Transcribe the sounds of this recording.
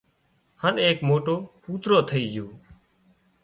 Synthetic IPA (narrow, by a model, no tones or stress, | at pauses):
həneːkmoːʈoːpuːt̪ɾoːt̪ʰəiːd͡ʒjoː